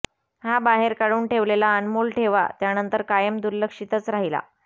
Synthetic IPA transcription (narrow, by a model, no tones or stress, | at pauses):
habaɦeɾkaɽuːɳʈʰeʋlelaənmolʈʰeʋa̰t̪janənt̪əɾkajəmd̪uɾləkʂit̪ət͡sɾaɦila̰